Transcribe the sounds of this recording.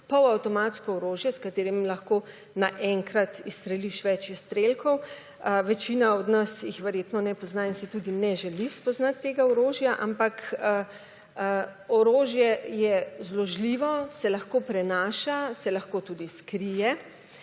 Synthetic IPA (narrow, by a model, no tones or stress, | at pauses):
pɔwawt̪ɔmaːt̪skɔɔɾoːʒjɛskat̪eːɾimlaxkoː | naʔɛŋkɾat̪ist̪ɾɛliʃʋɛt͡ʃist̪ɾelkʰɔw | ʋɛt͡ʃiːnaɔd̪nasjixʋɛɾjeːt̪nɔnɛpɔznaːinsit̪uːd̪inɛʒɛlispɔznat̪ːeːɡaɔɾoːʒjaʔa̰mpakə | əɔɾoːʒjɛjɛzlɔʒliʋɔsɛlɐxkoːpɾɛnaːʃasɛlɐxkoːt̪ud̪iskɾijɛ